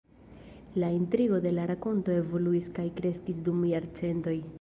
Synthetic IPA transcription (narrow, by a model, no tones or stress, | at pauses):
laintɾiɡo̞de̞laɾako̞nto̞e̞vo̞luiskajkɾe̞skisdumjaɾt͡se̞nto̞j